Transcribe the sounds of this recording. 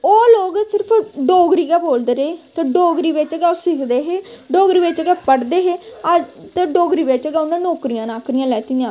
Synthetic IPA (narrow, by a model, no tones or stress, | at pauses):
oːloːɡsɪɾəpʰɖoːɡɾiːɡaːboːld̪eɾeːt̪eɖoːɡɾiːʋɪt͡ʃɡaːsɪkʰd̪eːɦeːɖoːɡɾiːʋɪt͡ʃɡɛːpəɽd̪eːɦeː | t̪eɖoːɡɾiːʋɪt͡ʃɡaːnãːnoːkɾijãːnãːkɾɪjãːlɛːt̪iːãː